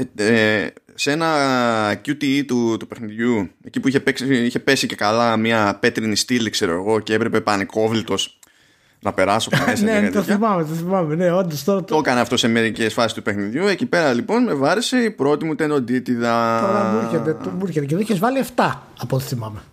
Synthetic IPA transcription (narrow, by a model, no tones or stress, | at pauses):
e | se̞nɐcut̪iit̪ut̪upe̞xniðʝue̞cipuiçe̞peksiiçe̞pe̞sice̞kalɐmiɐpe̞t̪ɾinist̪ilkse̞ɾo̞eɣo̞ce̞epɾe̞pe̞pɐneko̞vlit̪o̞s | nɐpe̞ɾɐsoesneɐt̪oθimɐmet̪oθimɐmeneond̪ost̪oɾɐt̪okɐneɐft̪o̞se̞me̞ɾicesfɐsist̪upexniðʝue̞cipe̞ɾɐlipo̞nme̞vɐɾise̞ipɾo̞t̪imut̪end̪o̞d̪it̪iðɐoɾɐmuɾçet̪et̪omuɾçet̪ec̬eðoiçezvɐlieft̪ɐ | ɐpot̪i̥θimɐme